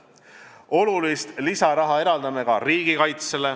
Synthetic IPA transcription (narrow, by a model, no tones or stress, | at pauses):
o̞lulist̪lisɑɾɑɦɑe̞ɾɑld̪ɑnekɑriːɡ̥ikɑjt̪se̞le̞